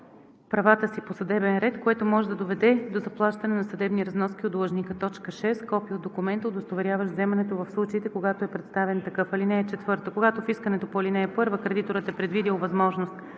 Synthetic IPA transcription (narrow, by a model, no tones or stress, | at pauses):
pɾɐvat̪əsiposɐd̪ɛbɛnɾɛt̪koɛt̪omɔʒɛd̪ɐd̪ovɛd̪ɛd̪ozɐplˠaʃt̪ɐnɛnɐsɐd̪ɛbniɾɐznɔsk̟ʲiod̪lˠɐʒnikət̪ɔt͡ʃkəʃɛst̪kɔpiod̪okumɛnt̪əod̪ost̪ovɛɾjavəʃzɛmɐnɛt̪ovɐfslˠut͡ʃəit̪ɛkoɡat̪oɛpɾɛt̪st̪avɛnt̪ɐkɤfɐlinɛːt͡ʃɛt̪vɤɾt̪əkoɡat̪ofiskənɛt̪opoɐlinɛːpɤɾvəkɾɛd̪it̪oɾət̪ɛpɾɛd̪vid̪ilˠvɐzmɔʒnost̪